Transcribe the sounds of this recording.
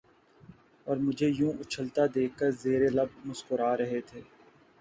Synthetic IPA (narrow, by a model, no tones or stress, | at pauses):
ɔːɾmʊd͡ʒʱejũːʔʊt͡ʃʰəlt̪ad̪eːkːəɾzeːɾelɐb̚mʊskʊɾaːɾɐɦet̪ʰeː